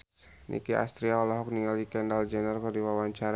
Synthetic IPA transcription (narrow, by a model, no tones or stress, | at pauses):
nʔḭkiʔa̰st̪ɾiaɔlaɦɔk̚niŋalikɛndald͡ʒɛnərkərdiwawaɲt͡ʃaɾ